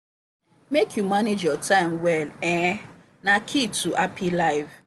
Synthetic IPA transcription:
mekʰjumaned͡ʒjɔtʰãɪ̃mwɛlɛ | nakʰituʔapʰilaɪv

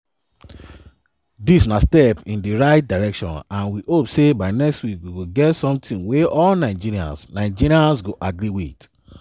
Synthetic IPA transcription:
disnastɛpĩndiɹaɪt̚daɹɛkʃɔ̰̃nãnwihopsebaɪnɛkstwikwiɡoɡɛtsɔ̃mtʰĩnweɔlnãɪ̃d͡ʒiɾiã̰nsnãɪ̃d͡ʒiɾiãnsɡoʔaɡɹiwit

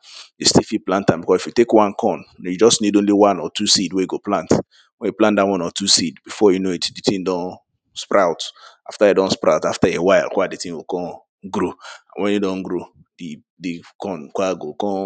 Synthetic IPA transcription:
jistifiplãntãbikɔsifjutekwãnkʰɔ̃nnjud͡ʒɔsnidõnliwãnɔtʰusidwejiɡoplãnt | wɛ̃njuplãntdawɔ̃nɔtʰusidbifɔjunoitditĩndɔ̃n | spɹaʊt | aftaidɔ̃nspɾaʊtaftaewaɪlkwaditĩnwikɔ̃ | ɡɾoã̰nwɛ̃njidɔ̃nɡɾo | di | dikɔ̃nkʷaɡokɔ̃

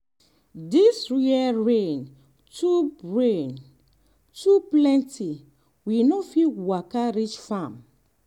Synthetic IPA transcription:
disɹiaɹẽn | tuɹẽn | tuplɛ̃ntʰi | winɔfiwakaɾit͡ʃfãm

